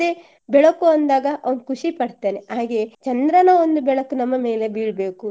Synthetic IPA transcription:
e | bɛɭɐkuɐnd̪aːɡɐʔɐʋɐnkʰuʂipɐɽt̪aːneaːɡe̞t͡ʃɐnd̪ɾɐnɐond̪ubɛɭɐkunɐmːɐme̞ːle̞biːɭbe̞ːku

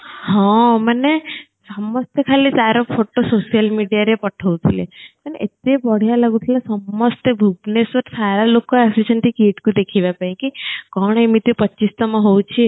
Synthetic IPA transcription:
ɦɔ̃mane | səməst̪ekʰalisaɾopʰoʈososijəlmiɖijaɾepəʈʰəũt̪ʰilḛk̪əneʔet̪ebɔɽ̤ijalaɡũt̪ʰilasəmːəst̪ebʱuɡnesʋəɾsaɾalokoasisənt̪ʰikiʈkũd̪ekʰiʋapaĩkikɔɳ̃emit̪upəːist̪amãɦowt͡ʃʰe

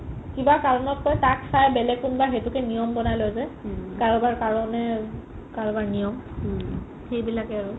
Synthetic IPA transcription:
kibakaɹɔnɔt̚kɔjtaksajbɛlɛɡ̚kunbaɹxetukɛnijɔmbɔnajlɔjzɛkaɹɔbaɹkaɹɔnɛ | kaɹɔbaɹnijɔm | xejbilakɛaɹu

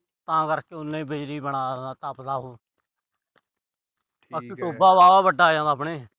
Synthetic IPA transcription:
t̪ãːkəɾkeːʊnːẽːbeːɾiːbəɽaːd̪aːt̪aːpd̪aːɦoː | aːkiʈoːbaːʋaːʋaːbəɖaːjãːd̪aːpɳeː

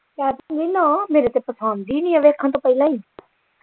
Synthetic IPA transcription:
kjaːt̪and̪iːnãmeːɾet̪epəsãːnd̪iːnĩəʋeːkʰːãnt̪̬õpəilãːĩː

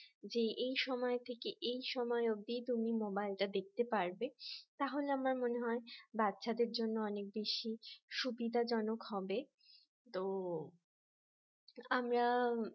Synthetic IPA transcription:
d͡ʑeʔejʃɔmɔet̪ʰekeʔejʃɔmɔeoɡ̚d̪it̪umimobajlʈad̪ek̚ʰt̪epaɾbet̪aɦoleamaɾmoneɦɔebat̪ːʃʰad̪eɾd͡ʑonːoɔnek̚beʃiʃubid̪ʱad͡ʑɔnokɦɔbe | t̪o | amɾa

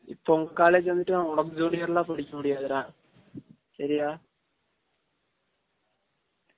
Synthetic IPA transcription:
ḭːp̪ːoŋkːaːlet͡ɕːenːiʈːɨaoɽɐkːɨd͡ʑoːɽijɐrɐɭːaːpɐɽikʲːuuɽijaːðɐɾaː | ɕɐɾijaː

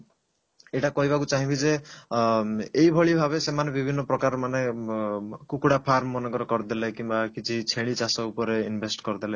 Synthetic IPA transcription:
eʈakɔɦibakut͡ʃaɦĩbid͡ʒe | eibʱɔɭibʱabesemanebibʱinːɔpɾɔkaɾɔmane | kukuɽapʰaɾmɔːɔnɔɡɔɾɔkɔɾd̪elekimbakit͡ʃʰit͡ʃʰeɭ̃it͡ʃasɔupɔɾeinbʱesʈkɔɾd̪ele

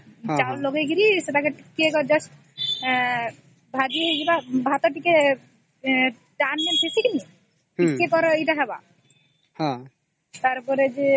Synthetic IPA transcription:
d͡ʒawloɡeɡiɾiset̪akeʈikekɔd͡ʒɔs | bʱad͡ʒiɦojɡibabʱat̪ɔʈike | ʈanːenpʰesʰekini | ikekɔɾɔejʈaɦɛba̰ | hã | t̪aɾpɔɾed͡ʒe

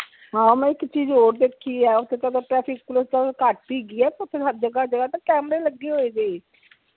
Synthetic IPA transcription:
ɦãːmɛ̃ːɪkt͡ʃiːd͡ʒɦoːɾd̪eːkʰːiːɛːʊt̪ʰːeːt̪ãt̪aʈɾɛːpʰɪkklost̪akaʈpiːɡiːɛːp̪ʊt̪ʰːeːsəd͡ʒəɡaːd͡ʒəɡaːt̪ãːkɛːməɾeːləɡːeɦoːeːd͡ʒeːi

